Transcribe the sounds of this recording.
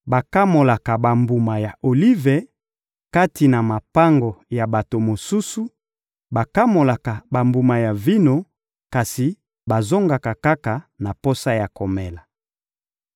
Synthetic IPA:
ba˨ka˦mo˨la˨ka˨ba˨mbu˨ma˨ja˨ʔo˨li˦ve˨ | ka˦ti˨na˨ma˨pa˦ŋɡo˨ja˨ba˨to˨mo˨su˦su˦ | ba˨ka˦mo˨la˨ka˨ba˨mbu˨ma˨ja˨vi˦no˨ | ka˨si˨ | ba˨zo˦ŋɡa˨ka˨ka˦ka˨na˨po˦sa˦ja˨ko˨mɛ˨la˨

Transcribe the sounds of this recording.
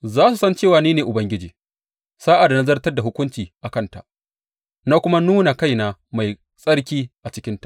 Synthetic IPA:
zaː˦su˨sɐ˦nt͡ʃeː˦˨waː˨niː˦neː˨ʔʊ˨bɐ˦ŋɡʲɪ˦d͡ʒiː˨ | saː˦ʔa˨da˨na˦zɐ˦rtɐ˦rda˨ɦʊ˦kʷʊ˦nt͡ʃiː˨ʔa˨kɐ˦˨nta̰˨ʔ | naː˦kʷʊ˦ma˦nuː˦na˨ka˦˨jna˨ma˨j | sʼɐ˦ɽkʲiː˦ʔa˨t͡ʃɪ˦kʲɪ˦ntḁ˨ʔ

